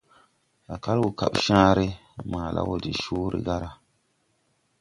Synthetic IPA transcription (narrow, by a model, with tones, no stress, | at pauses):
a˨ka˦lwu˨ka̰˨ɓʃãː˦ɾe˦ma˨la̰˦wo˨di˨ʃuː˦ɾḛ˨ɡa˦ɾa˨